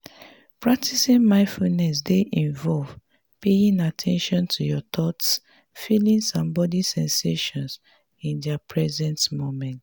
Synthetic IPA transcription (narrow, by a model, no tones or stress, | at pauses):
pɹak̚tʰisĩnmãɪ̃nfulnɛs̬deʔĩɱvɔlv | pejĩŋatʰɛ̃nʃɔ̃ntʰujɔt̪ʰɔts | filĩnsɔ̃mbɔdisɛ̃nseʃɔ̃ns | ĩndɛapʰɹɛzɛ̃ntmomɛ̃nt